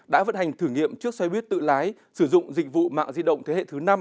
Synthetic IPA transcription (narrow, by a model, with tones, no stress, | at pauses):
ɗa̰ː˧˥və̰˧˥nha˨˩jŋ̟t̪ʰɨː˧˩ŋḭ˧˨əmt͡ɕɨ˦˥ək̚swɛ˧jɓi˦˥ət̚t̪ɨ̰˧˨laː˨˦jsɨ˧˩zʊ̰˧˨ŋ͡mzï˧˨˩k̟̚vṵ˧˨ma̰ː˧˨ŋzi˧ɗə̰˧˨wŋ͡mt̪ʰe˨˦hḛ˧˨t̪ʰɨ˨˦na˧m